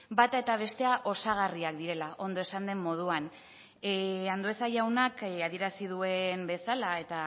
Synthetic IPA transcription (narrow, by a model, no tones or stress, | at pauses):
bat̪ae̞t̪aβ̞e̞st̪e̞aʔo̞saɣariak̚d̪iɾe̞laʔo̞nd̪o̞e̞sand̪e̞mːo̞ð̞uan | and̪oe̞saʝawnakaðie̞ɾasið̞ue̞mbe̞salae̞t̪a